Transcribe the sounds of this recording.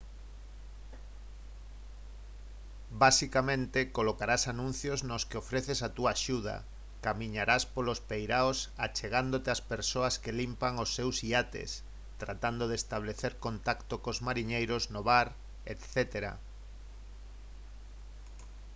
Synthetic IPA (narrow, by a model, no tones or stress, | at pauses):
basikamẽnt̪ekolokaɾasanũn̟θjoznoskeofɾeθesat̪uaːʃuð̞a̰ | kamiɲaɾaspolospejɾaosa̰t͡ʃeɣand̪ot̪easpeɾsoɐskelimpaŋosːewsiat̪ḛs | t̪ɾat̪and̪oð̞est̪aβleθeɾkont̪akt̪okozmaɾiɲejɾoznoβaɾ | et̪θet̪eɾa̰